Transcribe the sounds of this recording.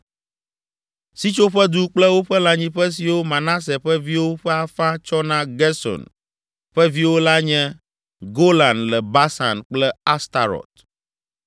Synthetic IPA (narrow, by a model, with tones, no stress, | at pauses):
si˦t͡ʃo˦ɸɛ˦d̪u˦k͡plɛ˦wo˦ɸɛ˦la˨ɲĩ˦ɸɛ˦s̬i˨wo˦mã˨nã˦s̬ɛ˨ɸɛ˦vi˦wo˦ɸɛ˦a˨fã˦t͡ʃɔ˦nã˦ɡɛ˦sɔ̰˨n | ɸɛ˦vi˦wo˦la˦ɲɛ̃˦ | ɡo˦lã˨nlɛ˨ba˦sa̰˨nk͡plɛ˦a˦st̪a˨ɾɔ̰˨t̪̚